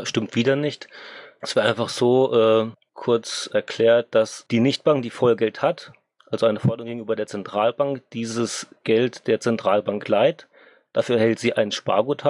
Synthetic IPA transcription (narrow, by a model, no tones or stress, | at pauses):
ʃtɪmtv̥iːdɐnɪçtɛsv̥ɪɐtʔaɪnfaχz̥oːʔɛː | kʰʊɐt͡sɛɐkl̥ɛːɐt̚d̥asd̥iːnɪçt̚b̥aŋk̚d̥iːfɔlɡɛlthat | ʔalzoaɪnəfɔɐdəʁʊŋɡeːɡŋ̩ʔyːbɐdeːɐt͡sɛntʁ̥aːlbaŋkd̥iːzəsɡ̥ɛltd̥eːɐt͡sɛntʁ̥aːlbaŋklaɪt | d̥afyːɐhɛltz̥iːʔaɪnʃpa̰ːɡutʰa